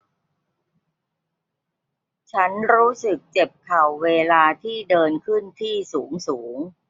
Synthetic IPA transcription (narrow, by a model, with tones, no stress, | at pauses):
t͡ɕʰa˦˥nɾuː˦˥sɯ˨˩k̚t͡ɕe˨˩p̚kʰa˨˩wːeː˧laː˧t̪ʰiː˥˩dɤː˧nkʰɯ˥˩nt̪ʰiː˥˩suː˩˦ŋsuː˩˦ŋ